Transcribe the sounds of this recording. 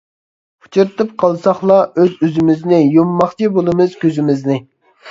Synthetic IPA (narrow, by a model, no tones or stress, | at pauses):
u̥t͡ʃʰuɾɨt̪ʰɨp̚qʰɑlˠsɑχlˠɑøzøzɪmɪznɪjumːɑχt͡ʃʰibolˠɨmɨz̥kʲøzɪmɪznɪ